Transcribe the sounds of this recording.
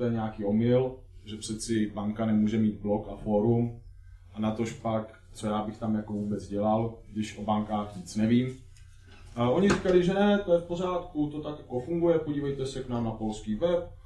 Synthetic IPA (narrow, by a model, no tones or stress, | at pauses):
ojɛɲɛakiːo̞mɪl | ʒɛpr̥ɛt̪t͡sɪbaŋkanɛmuːʒɛmiːd̪blo̞kafo̞ɾum | ʔanat̪o̞ʃpak | t͡so̞jaːbɪxt̪amjakovuːbɛt͡sɟɛlalɡdɪʃʔo̞baŋkaːxɲɪt͡snɛviːm | ʔo̞ɲɪrikalɪʒɛnɛt̪ojɛfpo̞z̝aːt̪kut̪o̞t̪akjako̞fuŋɡujɛpoɟiːvɛjt̪ɛsɛknaːmnapo̞lskiːvɛp